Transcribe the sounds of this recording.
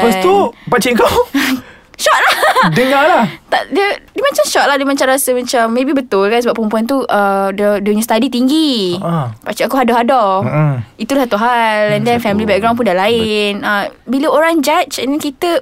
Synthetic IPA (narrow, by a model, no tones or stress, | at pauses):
əst̪upat͡ʃiŋkaw | ʃɔʔ̚lahdəŋalaht̪aʔdiədəmat͡ʃamʃɔʔ̚ladiəmat͡ʃamɾasəmat͡ʃamːẽbibət̪ʊlkansəbaʔpəmpuant̪̬uʔədədəɲũst̪adit̪iŋɡi | pat͡ʃiakuɦadɔɦadɔ | it̪ulaht̪uɦalɛ̃ndɛnfɛmilibɛkɡɾãw̃np̬undalaɪnəbiləoɾaŋd͡ʒat͡ʃɛnɛnkit̪ə